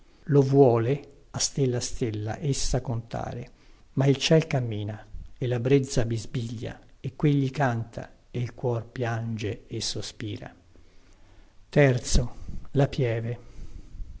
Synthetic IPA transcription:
lovwɔːle | ast̪elːast̪elːa̰ʔesːakont̪a̰ːɾe | mailt͡ʃɛlkamːiːnaelːabɾed̪zːabizbiʎːa̰ekːweʎːikant̪ʰa̰eilkwɔrpjand͡ʒeesːospiːɾa̰ | t̪ɛrt̪solapjɛːve

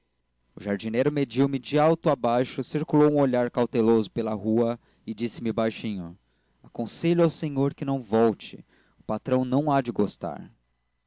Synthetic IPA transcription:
ʊʒaɾd͡ʒinejɾʊmed͡ʒiwmɪd͡ʒɪawt̪ʊabajʃʊsiɾkulowũoʎaɾkawt̪elozʊpelɐɦuɐ | ɪd͡ʒisɪmɪbajʃĩɲʊ | akõseʎʊawsẽɲoɾkɪnɐ̃w̃vɔwt͡ʃɪ̰ | ʊpat̪ɾɐ̃w̃nɐ̃w̃ad͡ʒɪɡost̪a̰ɾ

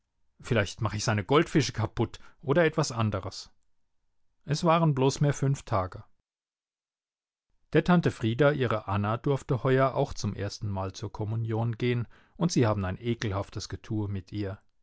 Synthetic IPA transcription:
fɪlaɪçtmaχəɛçz̥aɪnəɡɔltfɪʃə̥kʰapʊtʔoːɾɐɛtv̥asʔandəʁəs | ʔɛsv̥aːʁənbloːsmiːɐfʏnftʰaːɡə | d̥eːɐtʰantəfʁ̥iːdaʔiːʁəʔanadʊɐftəhɔʏɐʔa̰ʊxt͡sʊmʔḛːɐstn̩maːlt͡suːɐkʰɔmunjoːnɡeːən | ʔʊntz̥iːhaːbm̩aɪnʔeːkl̩haftəsɡ̥ətʰuːɐmɪtʰʔiːɐ

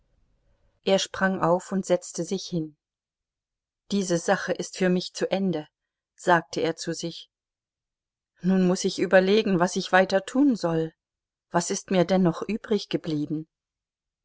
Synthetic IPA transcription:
ʔeːɐʃpʁ̥aŋʔaʊfʊntz̥ɛt͡stəzɪçhɪn | d̥iːzəzaχəʔɪstfyːɐmɪçt͡suʔɛndə | z̥aːk̚tʰəeːɐt͡suzɪç | nuːnmʊsɪçʔyːbɐleːɡŋ̩vasɪçv̥aɪtɐtʰuːnzɔl | v̥asɪstmiːɐdɛnːɔχʔyːbʁɪçɡ̥əbliːbm̩

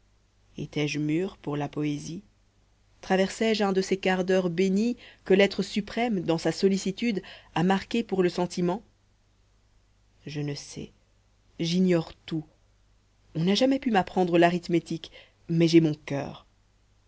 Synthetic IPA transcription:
ḛt̪ɛʒmyːʁpuʁlapɔezi | t̪χavɛʁsɛʒɛ̃d̪əsekaʁd̪œʁbenikəlɛt̪χəsypχɛmd̪ɑ̃sasɔlisit̪yd̪amaʁkʲepuʁləsɑ̃t̪imɑ̃ | ʒənəsɛ̰ | ʒinjɔʁt̪u | ɔ̃naʒamɛpymapχɑ̃d̪ʁəlaʁit̪met̪ik | mɛʒɛmɔ̃kʲœ̰ːʁ

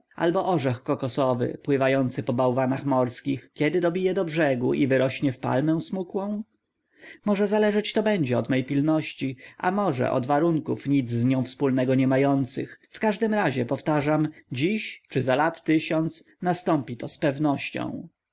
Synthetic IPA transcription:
ʔa̰lbɔʔɔʐɛxkɔkɔsɔvɘ̰pwɘvajɔnt̪sɘpɔbawvanaxmɔɾskʲixkʲɛd̪ɘd̪ɔbʲijɛd̪ɔbʐɛɡuʔivɘɾɔɕɲɛfpa̰lmɛ̃w̃smukwɔ̃w̃ | mɔʐɛzalɛʐɛt͡ɕt̪ɔbɛɲd͡ʑɛɔd̪mɛjpʲilnɔɕt͡ɕiʔa̰mɔʐɛ̰ʔɔ̰d̪vaɾuŋkufɲid̪zːɲɔ̃w̃fspulnɛɡɔɲɛmajɔnt̪sɘ̰xfkaʐd̪ɘmɾaʑɛpɔft̪aʐamd͡ʑiɕt͡ʂɘzalat̪ːɘɕɔnt̪s | nast̪ɔmpʲit̪ɔspɛvnɔɕt͡ɕɔ̰̃w̃

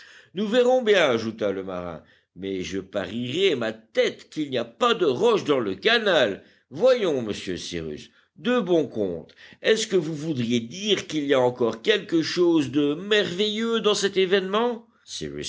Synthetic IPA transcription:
nuvɛʁɔ̃bjɛ̃aʒut̪aləma̰ʁɛ̰̃ | mɛʒəpa̰ʁiʁɛmat̪ɛt̪kilniapad̪əʁɔʃd̪ɑ̃ləkanal | vwajɔ̃məsjø̰sḭʁy̰s | d̪əbɔ̃kɔ̰̃t̪ɛskəvuvud̪ʁjed̪iʁkiliaɑ̃kɔʁkʲɛlkəʃozd̪əmɛʁvejød̪ɑ̃sɛt̪evɛnmɑ̃ | sḭʁy̰s

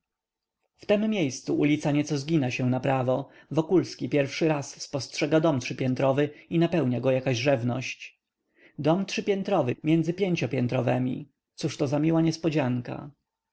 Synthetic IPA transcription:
ft̪ɛmːʲejst̪suʔulʲit̪saɲɛt̪sɔzɡʲinaɕɛw̃napɾavɔ | vɔkulskʲipʲjɛɾfʂɘɾasːpɔstʂɛɡad̪ɔmtʂɘpʲjɛnt̪ɾɔvɘinapɛwɲaɡɔjakaʑʐɛvnɔɕt͡ɕ | d̪ɔmtʂɘpʲjɛnt̪ɾɔvɘmʲjɛnd̪zɘpʲjeɲt͡ɕɔpʲjɛnt̪ɾɔvɛmʲḭ | t̪suʂt̪ɔzamʲiwaɲɛspɔd͡ʑaŋka̰

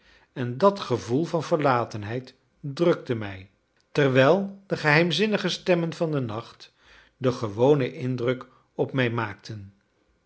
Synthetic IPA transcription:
ɛndɑtχəvulˠvɑnvəɹlaːtənɦɛjt | drɵk̚təmɛj | tɛɹʋɛlˠdəχəɦɛjmzɪnəχəstɛmənvɑndənɑχt | dəχəʋownəʔɪndrɵk | ɔpmɛjmaːk̚tʰən

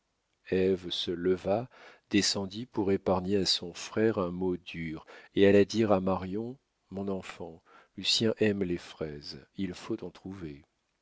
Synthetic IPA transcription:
ɛvsələvad̪̥esɑ̃d̪ipuʁepaʁɲeasɔ̃fχɛʁɛ̃mod̪yːʁealad̪iʁamaʁjɔ̃ | mɔ̃nɑ̃fɑ̃ | lysjɛ̃ʔɛmlefχɛzilfot̪ɑ̃t̪χuve

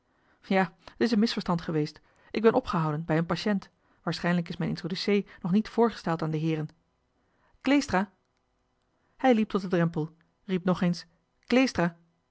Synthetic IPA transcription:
jaːətɪs̬ənmɪsfəɹstɑntχəʋejst | ʔɪɡbɛnʔɔpχəɦɑwdənbɛjənpaʃɛnt | ʋaːɹsχɛjnləkɪsmɛjnʔɪ̰ntrodysejnɔχnitfʊːɹχə̥stɛlˠtaːndəɦɪːɾən | klejstraː | hɛjlip̚tɔt̚ədrɛmpəlˠ | rip̚nɔχejns | klejstraː

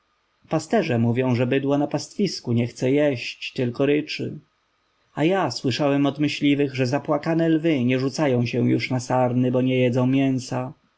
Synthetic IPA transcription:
past̪ɛʐɛmuvʲjɔ̃w̃ʐɛbɘd̪wɔnapast̪fʲiskuɲɛxt̪sɛjɛɕt͡ɕt̪ɘlkɔɾɘt͡ʂɘ̰ | ajaswɘʂawɛmɔd̪mɘɕlʲivɘɣʐɛzapwakanɛlvɘɲɛʐut̪sajɔ̃w̃ɕɛw̃juʂnasaɾnɘbɔɲɛjɛd̪zɔ̃w̃mʲjɛnsa

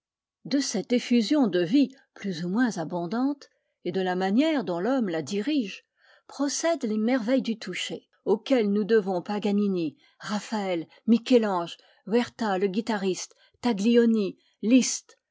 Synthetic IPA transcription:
d̪əsɛt̪efyzjɔ̃d̪əvi | plyzumwɛ̃zabɔ̃d̪ɑ̃t̪ | ed̪əlamanjɛʁd̪ɔ̃lɔmlad̪iʁiʒ | pχɔsɛd̪lemɛʁvɛjd̪yt̪ʰuʃe | okʲɛlnud̪əvɔ̃paɡanini | ʁafaɛl | mikʲɛlɑ̃ʒ | wɛʁt̪aləɡʲit̪aʁist̪ːaɡliɔni | list̪

